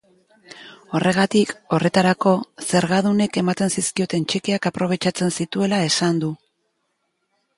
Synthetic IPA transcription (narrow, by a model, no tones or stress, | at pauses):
o̞re̞ɣ̞at̪iko̞re̞t̪aɾako̞se̞ɾɣað̞une̞ke̞mat̪e̞nsiskio̞t̪e̞nt͡ʃekeakapɾo̞β̞e̞t͡ʃat͡se̞nsit̪ue̞lae̞sand̪u